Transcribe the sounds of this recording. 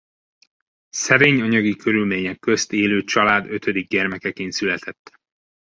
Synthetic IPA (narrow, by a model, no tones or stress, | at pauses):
sɛɾeːɲɒɲɒɡikʰøɾylmeːɲɛkːø̞st̪eːløːt͡ʃɒlaːd̪øt̪ʰød̪iɡɟɛrmɛkɛkeːnsylɛt̪ʰɛt̪ː